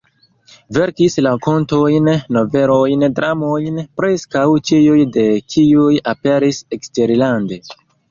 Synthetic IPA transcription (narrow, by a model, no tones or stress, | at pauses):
ve̞ɾkislako̞nto̞jnːo̞ve̞ɾojndɾamojnpɾe̞skawt͡ʃijujde̞kʰiujape̞ɾiseksteɾlande̞